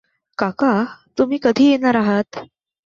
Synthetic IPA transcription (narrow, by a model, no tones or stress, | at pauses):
kakat̪um̤iːkəd̪ʱiːjenaɾaɦat̪